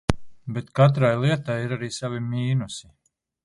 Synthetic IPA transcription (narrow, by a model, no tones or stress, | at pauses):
bet̪kat̪̬ɾajlˠiɛt̪ajiɾaɾiːsavimiːnusi